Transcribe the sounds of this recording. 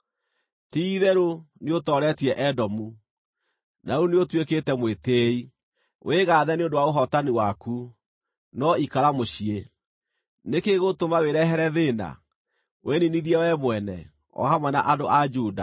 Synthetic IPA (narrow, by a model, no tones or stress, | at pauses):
tiðɛɾo | neotɔɾɛtiɛʔɛdɔmu | nauneotweketɛmwetei | wʔeɣaðɛneondowaoɦɔtaniwaku | nɔikaɾamoɕie | nekeɣotomaweɾɛɦɛɾɛðena̰ | wʔeniniðiɛwɛmwɛnɛ̰ | ɔ̰hamwɛna̰ʔadoʔad͡ʒuːda̰